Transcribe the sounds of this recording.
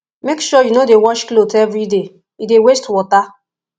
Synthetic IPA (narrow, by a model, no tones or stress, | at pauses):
mekʃujunodewɔʃklotɛvɾide | idewestwɔta